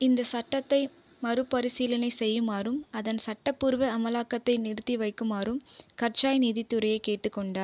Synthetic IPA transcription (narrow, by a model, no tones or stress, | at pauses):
ɪnd̪ɐsɐʈːɐt̪ːɐɪ | mɐɾɯpːɐɾɪsiːlɐnɐɪsɛjːɯmaːrɯmɐðɐnsɐʈːɐpːɯɾʋɐɐmɐlaːkːɐt̪ːɐɪnɪɾɯt̪ːiʋɐɪkːɯmaːɾɯmkɐɾt͡ʃaːjniːðɪt̪ːɯɾɐjɐɪkeːʈːɯkːɔɳɖaːɾ